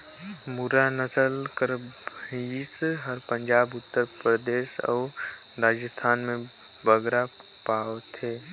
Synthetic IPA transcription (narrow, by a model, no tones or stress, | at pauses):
muɾanəsəlkəɾ | ɦisɦəɾpə̃ɲd͡ʒaːbʊt̪ːəɾpɾəd̪eːsɔ̰ː | ɾaːd͡ʒəst̪ʰaːnmẽ | bəɡɾa | paːwt̪ɦeː